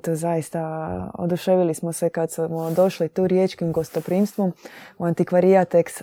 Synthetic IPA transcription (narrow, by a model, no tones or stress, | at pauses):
t̪ozajist̪ao̰d̪uʃeʋilismosekad̪smod̪o̞ʃlit̪uːɾjeːt͡ʃkimɡo̞st̪opɾiːmst̪ʋumuant̪ikʋaɾiat̪eks